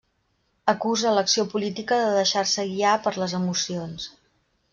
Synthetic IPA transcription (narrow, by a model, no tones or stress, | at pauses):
əkuzələksiopulit̪ikəðəðəʃarsəɣiapəɾləzəmusions